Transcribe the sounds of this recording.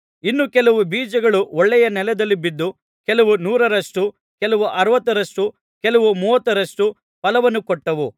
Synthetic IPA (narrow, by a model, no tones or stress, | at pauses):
inːukɛlɐʋubiːd͡ʒɐɡɐɭuɔɭːɛjɐnɛlɛd̪ɐlːibid̪ːu | kɛlɐʋunuːɾɐɾɐʂʈu | kɛlɐʋuʔɐɾɐʋɐt̪ːɐɾɐʂʈu | kɛlɐʋumuːʋɐt̪ːɐɾɐʂʈu | pɐlɐʋɐnːukɔʈːɐʋu